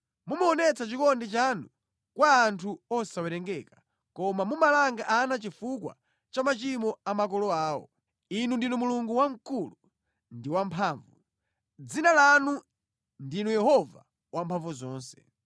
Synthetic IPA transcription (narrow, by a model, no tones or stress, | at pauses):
mumaɔnɛt͡sat͡ʃikɔndit͡ʃanu | kwaːntʰuɔsawɛɾɛŋɡɛka | kɔmamumalaŋɡaʔanat͡ʃifukwa̰ | t͡ʃamat͡ʃimɔamak̬ɔlɔaːwɔ̰ | inundinumuluŋɡuwaŋ̩kulu | ndiwampʰaːɱvu | d͡zinalanu | ndinujɛɦɔva̰ | wampʰaɱvuzɔːnsɛ̥